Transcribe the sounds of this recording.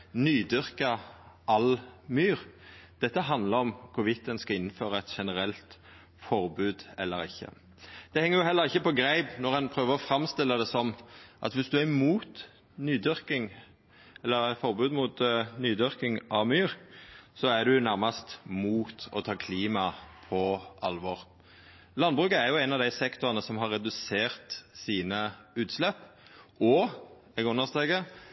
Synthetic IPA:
nyːd̪ʏʁkɑʔɑlmyːɾd̪̥ɛt̪ːəɦɑnd̪ləɾɔmkʰʊʋɪt̪ːənskɑlɪnːføːʁɑɛt̪ʃɛnəɾɛlt̪ | fɔɾbʉːd̪ɛ̰lːəɾɪçːə̰ | d̪̥ɛhɛŋːəʁjʊhɛlːəʁɪçːəpɔɡɾæɪbnɔʁɛnpʰɾøːʋəʁɔfɾɑmst̪ɪlːəd̪ɛsɔmʔɑ̰t̪ʋɪsd̪ʉæmuːt̪ | nyːd̪ʏʁkɪŋ | ɛlːəʁfɔʁbʉːd̪mʊːt̪nyːd̪ʏʁkɪŋɑʋmyːʁsɔæd̪ʉnæʁmɑst̪muːt̪ɔ̰t̪ʰɑːkʰliːmɑpʰɔʔɑ̰lʋɔʁ | lɑnːbʁʉːkəæɾjʊæɪnɑʋd̪æɪsɛkt̪ʊʁənəsɔmɦɑɾːɛd̪ʉseːʁt̪siːnəʉːt̪slɛpːɔ | ɛɡʉnəʁst̪eːɡə

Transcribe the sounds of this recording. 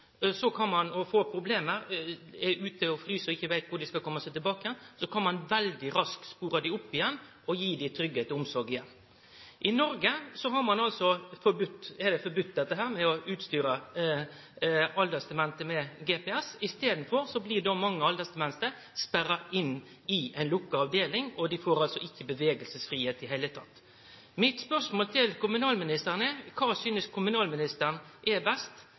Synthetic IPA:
sɔkʰɑnmɑnɔfoːpʰɾʊbleːməɾɛʉːt̪əɔfɾyːsɔɪçːəʋæɪt̪ʋʊd̪ɪskɑkʰɔmːɑsɛɪt̪ɪlbɑːkəjɛnsɔkʰɑnmɑnʋɛld̪ɪɾɑskspuːɾɑd̪ɪʊpːɪjɛnː | ɔjiːd̪ɪt̪ʰɾʏɡət̪əʊmsɔɾɡɪjɛnː | ʔɪnɔɾɡəsɔɦɑɾmɑnɑlsɔfɔɾbʉt̪ːɛd̪ɛfɔɾbʉt̪̚ːd̪ɛt̪ːəɦæːɾmɛɔʉːt̪st̪yːɾə | ɑld̪əst̪ɛmɛnt̪əmɛɡeːpɛɛsɪst̪eːd̪n̩fɔɾsɔblɪdɔmɑŋːəɑld̪əst̪ɛmɛnt̪əɾ | spæɾːɑɪnː | ɪæɪnlʊkːɑɑʋd̪eːlɪŋɔd̪ɪfoːɾɑlsɔɪçːəbəʋeːɡəlsəsfɾiːheːt̪ɪɦæɪət̪ʰɑt̪ː | mɪt̪spœʂmoːlt̪ʰɪlkʰʊmʉnɑːlmɪnɪst̪əɾnəkʰɑːsyːnəskʰʊmʉnɑːlmɪnɪst̪əɾnʔɛbɛst̪

